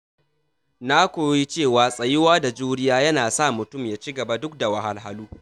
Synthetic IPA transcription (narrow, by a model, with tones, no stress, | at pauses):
naː˦kʷoː˨˦ji˦t͡ʃeː˦˨waː˨sʼɐ˨jɪ˦waː˦da˨d͡ʒuː˦ɽɪ˦jaː˦jɐ˦naː˨sa˦˨mʊ˨tʊ˦˨mjaː˦t͡ʃi˦ɡɐ˨ba˦dʊ˦k̚da˨wɐ˨ha˦lɦa˦luː˦